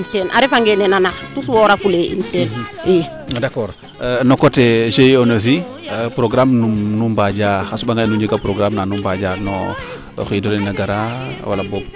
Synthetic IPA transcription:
ntenʔa̰ɾefaŋɡenenanatuswoɾafuleḭnten | dakɔːɾ | nokotɛd͡ʒejonaz̬i | pɾoɡɾamnumnumbad͡ʒaːxasubaŋɡanuɲd͡ʒəɡapɾoɡɾamnanumbad͡ʒaːɾnɔ̰ | xidɔlɛnaɡaɾawa̰labɔb̚

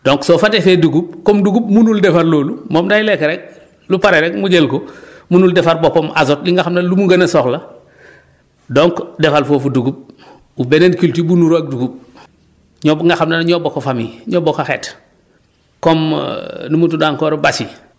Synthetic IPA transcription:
d̥oŋksofatefeduɡub̚komduɡub̚munuldefaɾloːlumoːmdajilekeɾɛk̚ | lupaɾeɾek̚muɟelko | munuldefaɾbopomʔa̰zot̚liŋɡaxamnallumuɡɐnɐsoxlɐ | doŋkdefalfoːfuduɡub̚ | ubenenkiltibunuɾok̚duɡub̚ | ɲoŋɡaxamnanɲobokafamḭɲoːbokaxḛːt | komnumutudaŋkoːɾbasi

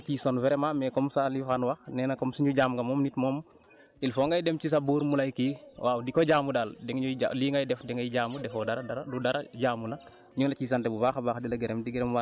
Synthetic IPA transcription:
kisɔnvɛɾɛmamɛkɔmsalifanwaxnɛːnɐkɔmsiɲuɟaːmɡɐmɔːmnitmɔːm | ilfɔŋɡajdɛmt͡ʃis̬abuːɾmulajkiwʔaːwdikɔɟaːmudaːldɛŋɲua̰liːŋɡajdɛfdɛŋajiɟaːmudɛfɔdaɾɐdaɾadudaɾɐɟaːmunɐ | ɲuŋlɐkiːs̬antɛbubaːxabaːxdilɐɡɛɾɛmdiɡɛɾɛmwa

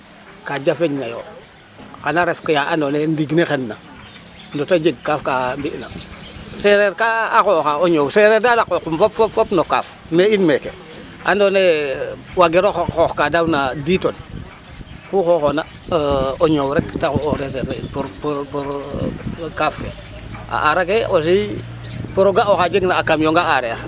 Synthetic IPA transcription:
kad͡ʒafeɲnajo | xanaɾefkejaʔandonendiɡnexenːa | ndotad͡ʒeɡ̚kafkambiʔna̰seɾeɾkaaxoxaoɲoːwseɾeɾdalakokumfopfopfopnoka̰f | neinmeke | andonewaɡiɾoxoxkadawnaditon | kuxoxona | oɲowɾektaxuoɾeseɾeinpuɾpuɾpuɾ | kaːfke | a̰ʔaɾak̬eʔos̬i | puɾoɡaoxad͡ʒiɡnaːkamjoŋɡaaɾea

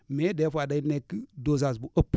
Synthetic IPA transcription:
medefadainekːidozasbuʔəp

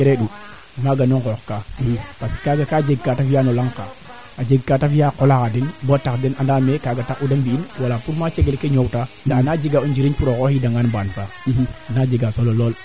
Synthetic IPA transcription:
keɾeɗu | maɡanoŋkokkapaskaɡakad͡ʒeɡ̚katafjanolaŋka | ad͡ʒeɡkatafjakolakadinbotakdinandamekaːɡatakudambiinwalapuɾmat͡ʃeɡelkeɲowta | ndanad͡ʒiɡaund͡ʒiɾinpuɾokohidaŋɡanbanfa | anad͡ʒiɡasololol

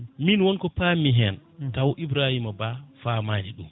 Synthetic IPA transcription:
minwɔnkɔpamiɦɛntawʔibɾahimabafamaːniɗṵm

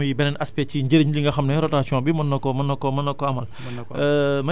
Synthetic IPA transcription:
ɐjibɛnɛnɐspɛciɲɟəɾiɲliŋɡɐxɐmnɛɾɔtaːsiɔ̃bimɐnːɔkːɔmɐnːɔkːɔmɐnːɔkːɔɐmɐl | mɐ

